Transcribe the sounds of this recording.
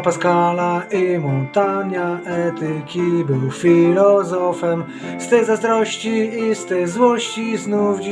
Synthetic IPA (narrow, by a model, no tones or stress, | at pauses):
paskalaimɔt̪anaɛt̪ɘkʲibɘwfʲilɔzɔfɛm | st̪ɛjzazd̪ɾɔɕt͡ɕiːst̪ɛjzwɔɕt͡ɕiznuvd͡ʑ